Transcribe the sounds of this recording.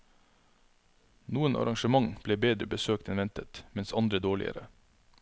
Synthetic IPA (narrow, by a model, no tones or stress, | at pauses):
nuːənʔɑ̰ɾɑŋʃəmɑŋb̥leːbeːd̪ɾəbəsøːk̚t̪ɛnʋɛnt̪ət̪mɛnsɑnd̪ɾəd̪oːɭɪ̰ə̰ɾə